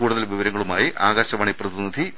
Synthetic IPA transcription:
uːɽuðɐlʋiʋɐɾɐŋːɐɭumaːjiʔaːɣaːɕɐʋɐɳiprɐðinɐd̪ʱi

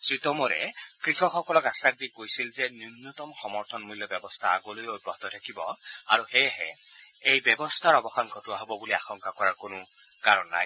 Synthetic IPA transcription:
sɹitɔmɔɹɛ̰kɹixɔxɔkɔlɔkasak̚dikojsilzɛnumnut̪ɔmxɔmɔɹt̪ʰɔnmulːɔbjɛbɔstʰaa̰ɡɔlojoot̚bɔɦt̪ɔtʰakibɔaɹuxɛjɦɛ̰ | ejbɛbɔstʰaɹɔbɔxanɡʱɔtuaɦobɔbuliaxɔŋkakɔɹaɹkonʊ | kaɹɔnːa̰j

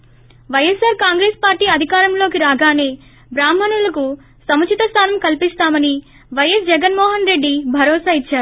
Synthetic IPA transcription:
ʋɐjɐsaːɾkaːŋɡɾeːspaːɾʈiːɐd̪ʱikaːɾɐmlo̞ːkiɾaːɡaːneː | bɾaːm̤ɐnulɐku | sɐmɐt͡ʃʰit̪ɐst̪ʰaːnɐmkɐlpist̪aːmɐni | ʋɐjɐsd͡ʒɛɡɐnmɔːɦɐnɾe̞ɖːibʱɐɾɔːsaːit͡ʃːaːɾu

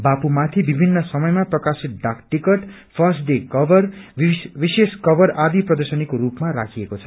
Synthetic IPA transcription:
bapumat̪ʰibibʱinːʌsʌmʌjmaprʌkasit̪̚ɖakʈikʌʈ | pʰʌsɖekʌbʌrʋiseskʌbʌrad̪iprʌd̪ʌrsʌnikoɾupmaɾa̰kʰiekot͡sʰʌ̥

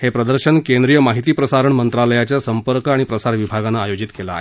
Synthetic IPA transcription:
hepɾəd̪əɾɕənkend̪ɾijəmaɦit̪iːpɾəsaɾəɳmənt̪ɾaləjat͡ɕjasəmpəɾkaɽ̃ipɾəsaɾʋibʱaɡanːaːjod͡ʑit̪kela̰ːe

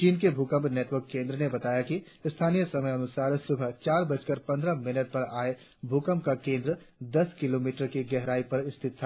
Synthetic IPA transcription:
t͡ʃiːnkebʱukə̃mpneːʈʋəɾkːẽːnd̪ɾənebɐt̪aːjaki | st̪ʰaːnijəsɐməjɐnʊsaːɾsʊbʱət͡ʃaːɾbət͡ʃkəɾpɐ̃nd̪ɾamɪnəʈ̪̚pɐɾaːe | bʱuːkə̃mpkakẽːnd̪ɾə | d̪ɐskɪloːmiːʈəɾkiɡɛɦɾaːipɐɾɪst̪ʰɪt̪ʰː

